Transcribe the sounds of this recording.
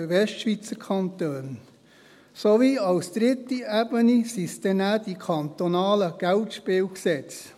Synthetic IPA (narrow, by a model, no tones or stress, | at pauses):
ʋɛstʃʋit͡səkʰɑnt̪øːn | soviɑlsd̥ɾɪt̪ːiæbənisisd̥̪ɛnæd̥ikʰɑnt̪onɑːləɡ̥æltʃpɪːwksɛt͡s